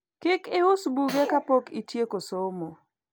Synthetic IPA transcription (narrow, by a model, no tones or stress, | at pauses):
kɪkɪʊsbuɡekapokitjekosomo